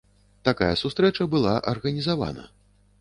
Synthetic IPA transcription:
t̪akajɐsust̪ɾɛt͡ʂɐbɨlˠaʔɐrɣɐnʲizava̰nɐ̰

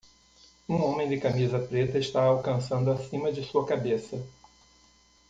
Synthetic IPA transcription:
ũõmẽj̃d͡ʒ̪ɪkamizɐpɾet̪ɐɪʃt̪aawkɐ̃sɐ̃nd̪ʊasĩmɐd͡ʒɪsuɐkabesɐ

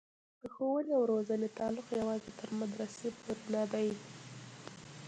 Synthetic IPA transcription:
d̪̥əxowəliawɾozənet̪ɑlʊqjawɑzet̪ʰəɾmad̪ɾasepoɾunad̪aj

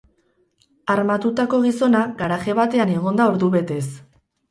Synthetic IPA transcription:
aɾmat̪ut̪ako̞ɣ̞iso̞naɡaɾaxe̞βat̪e̞ane̞ɣ̞o̞nd̪aoɾðuβe̞t̪e̞s

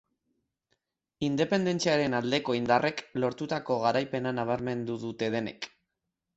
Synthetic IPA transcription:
ind̪e̞pe̞nd̪e̞nt͡siaɾe̞nald̪e̞ko̞ind̪arʔe̞klo̞ɾt̪ut̪ako̞ɣ̞aɾajpe̞nanaβ̞aɾme̞nd̪uðut̪e̞ð̞e̞ne̞̰k

